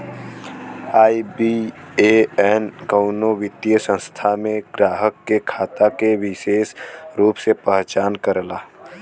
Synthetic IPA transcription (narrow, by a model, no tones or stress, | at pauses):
aːibieɛːnkəʊnoʋɪt̪ːijəsə̃nst̪ʰamẽɡɾaːɦəkːekʰaːt̪akeʋɪʃeːʃɾuːpsepəɦt͡ʃaːnkəɾlaː